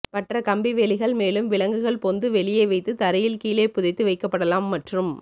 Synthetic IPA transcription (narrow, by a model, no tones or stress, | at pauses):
pɐʈrɐkɐmbiʋeːɭɪɣɐɭmeːlɯmʋɪɭɐŋɡɯɣɐɭpɔnd̪ɯʋɛɭɪjeːʋɐɪt̪ːɯt̪ɐɾɐjɪlkiːleːpːʊðɐɪt̪ːɯʋɐɪkːɐpːɐɽɐlaːmːɐʈrɯm